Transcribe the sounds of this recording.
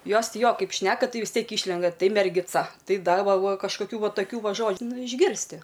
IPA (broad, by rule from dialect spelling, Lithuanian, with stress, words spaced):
ˈjoːs ˈtʲɪ ˈjoː ˈkɐɪp ˈʃʲnʲæːkɐ ˈtɐɪ ʋʲɪs ˈtʲiɛk ˈiːʃʲlʲɛndɐ ˈtɐɪ mʲɛrʲɡʲɪˈt͡sɐ ˈtɐɪ ˈdɐ ˈʋɐ ˈʋɐ kɐʃkoːˈkʲuː ˈʋɐ tɐˈkʲuː ˈʋɐ ˈʒoːt͡ʃ ˈnʊ ɪʒʲˈɡʲɪrʲsʲtʲɪ